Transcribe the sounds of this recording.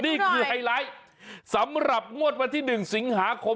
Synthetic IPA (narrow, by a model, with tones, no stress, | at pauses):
niː˥˩kʰɯː˧ha˧jlaː˦˥j | sa˩˦mɾa˨˩p̚ŋu˥˩ət̪̚wa˧t̪ʰiː˥˩nɯ˨˩ŋsi˩˦ŋɦaː˩˦kʰo˧